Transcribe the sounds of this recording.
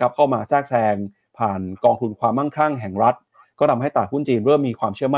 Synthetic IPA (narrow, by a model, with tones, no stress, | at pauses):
kʰa˦˥p̚kʰa˥˩wmaː˧sɛː˥˩k̚sɛː˧ŋ | pʰaː˨˩nkɔː˧ŋt̪ʰu˧nkʰwaː˧mːa˥˩nkʰa˥˩ŋɦɛ˨˩ŋɾa˦˥t̪̚ | kɔː˥˩na˧mha˥˩jt̪a˨˩t̪̚hu˥˩nt͡ɕiː˧nɾɤː˥˩mːiː˧kʰwaː˧mt͡ɕʰɯ˥˩ma˥˨